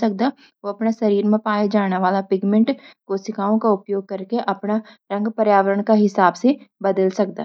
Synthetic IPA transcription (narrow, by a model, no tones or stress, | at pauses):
ɐk̚d̪a | ʋoɐpnaʃɐɾiːɾmẽpaːed͡ʒaːñeʋaːlapɪɡmẽɳʈkosɪkaːõkaʊpjoːɡ̚kɐɾkeʔɐpna | ɾɐ̃ŋɡpɐɾjaːʋəɾəɽ̃kaɦɪsaːbsebɐd̪əlsɐk̚d̪a̰ː